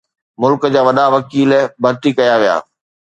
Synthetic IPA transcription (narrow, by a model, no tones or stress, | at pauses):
mʊlkd͡ʑaːʋɐɗaʋɐkiːlbʱɐɾt̪ikɐjaʋija̰ː